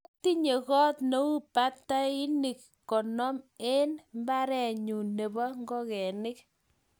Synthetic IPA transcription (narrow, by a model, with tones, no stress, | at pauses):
ku˦ti˦ɲe˨kɔ˦tno˨˦wu˦pa˦tːa˦i˦nɪ˨kːɔ˨nɔ˦me˦nmba˦ɾɛ˨ɲu˨ne˨ba˦ŋɡɔ˦kɛ˨nɪ˦k̚